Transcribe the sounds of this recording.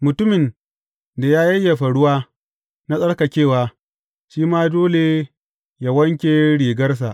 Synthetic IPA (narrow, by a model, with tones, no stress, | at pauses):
mʊ˨tʊ˦mɪ˨n | da˨jaː˦jɐ˦jːa˨ɸa˨ɽʊ˦waː˦ | na˦sʼɐ˦ɽka˨kʲeː˦˨waː˦ | ʃiː˦maː˦doː˦le˨ | ja˨wɐ˦ŋkʲeː˦ɽiː˨ɡɐ˦rs̬a˨ʔ